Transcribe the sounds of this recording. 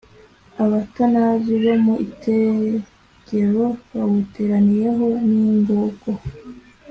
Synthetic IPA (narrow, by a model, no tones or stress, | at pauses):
aβatanaziβomuḭte | ɡe̞ɾo̞βawuteɾanije̞ɦo̞niŋɡoːɡo